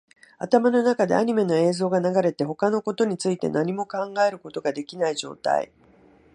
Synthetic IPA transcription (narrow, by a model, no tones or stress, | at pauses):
at̪amano̞nakad̪eaɲ̟ime̞no̞e̞ːzo̞ːɡanaɡaɾe̞t̪e̞ɦo̞kano̞ko̞t̪o̞ɲ̟it͡sɨit̪e̞̰naɲ̟imo̞kãŋɡae̞ɾɯ̟ko̞t̪o̞ɡad̪e̞kʲinaiʑo̞̰ːt̪a̰ḭ